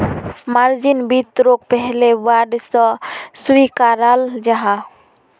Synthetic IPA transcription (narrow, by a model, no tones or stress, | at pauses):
maɾd͡ʒinbit̪ɾok̚pɛɦlebaɖsɔsuikaɾald͡ʒaɦã